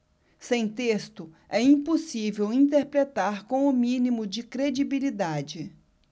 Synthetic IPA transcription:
sẽj̃t̪est̪ʊ | ɛĩposivewĩnt̪̬eɾpɾet̪aɾkõw̃ʊmĩnimʊd͡ʒɪkɾed͡ʒibilid̪ad͡ʒɪ

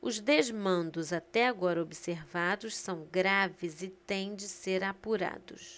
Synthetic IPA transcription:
ʊzd̪ezmɐ̃nd̪ʊzat̪ɛaɡɔɾɐobiseɾvad̪ʊssɐ̃w̃ɡɾavɪzɪt̪ẽj̃d͡ʒɪseɾapuɾa̰d̪ʊ̰s

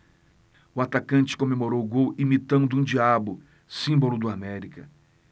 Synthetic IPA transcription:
ʊat̪akɐ̃nt͡ʃɪ̥kõmemoɾowɡowimit̪ɐ̃nd̪ʊũd͡ʒiabʊ | sĩbolʊd̪ʊamɛɾikɐ̰

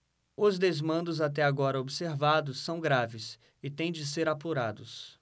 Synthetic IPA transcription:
ʊzd̪ezmɐ̃nd̪ʊzat̪̬ɛaɡɔɾɐobseɾvad̪ʊsːɐ̃w̃ɡɾavɪs | ɪt̪ẽj̃d͡ʒɪseɾapuɾad̪ʊs

